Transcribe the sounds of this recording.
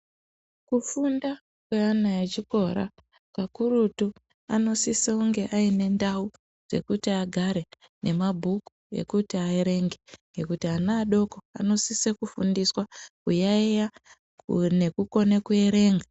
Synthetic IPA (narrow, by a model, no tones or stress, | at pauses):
kufunda | kweanaet͡ʃiko̞ɾa̰ | kakuɾutu | ano̞siseuŋɡe̞ʔaine̞ndau | d͡z̥e̞̰kutiaɡʱaɾe̞ | nʔe̞mabʱukue̞̰kutiaeɾe̞ŋɡe̞ŋɡe̞kutianaːɗo̞ko̞a̰no̞sisekufundiswakujaeja | ne̞kuko̞ne̞kue̞ɾe̞ːŋɡa